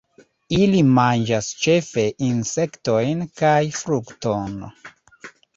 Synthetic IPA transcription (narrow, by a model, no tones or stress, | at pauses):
ilimand͡ʒast͡ʃe̞fe̞ʔinse̞kto̞jnkajfɾukton